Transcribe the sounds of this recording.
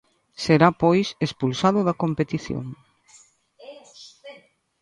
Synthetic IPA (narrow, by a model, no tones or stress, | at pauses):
seɾapojsespulsaðʊðɐkompet̪iθjo̰ŋ